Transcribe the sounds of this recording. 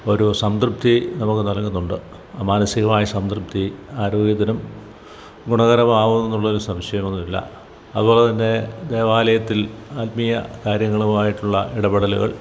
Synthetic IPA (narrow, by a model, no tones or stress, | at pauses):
o̞ɾusɐmd̪rɨp̚t̪ʰinɐmukːɨnɐlkːunːuɳɖɨ | aːmaːnɐsiɣɐmaːjɐsɐmd̪rup̚t̪ʰiaːɾo̞ːɡjɐt̪ːɐnum | ɡuɳɐɣɐɾɐmaːʋunːenːuɭːɐðoɾusɐmɕɐjɐme̞nːuilːɐ̰ | ɐðubo̞ːɭet̪ɐnːe̞d̪e̞ːʋaːlɐjɐt̪ːilaːt̪mijɐ̰kaːɾjɐŋːɐɭuaːjiʈːuɭːɐ̰ʔiɽɐbɐɽɐlṵɣɐ̰ɭ